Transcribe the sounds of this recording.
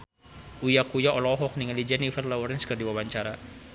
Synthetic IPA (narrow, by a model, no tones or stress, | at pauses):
ujakujaʔɔlɔɔɦɔk̚niŋalid͡ʒanifərlawɔrinskərdiwawaɲt͡ʃaɾa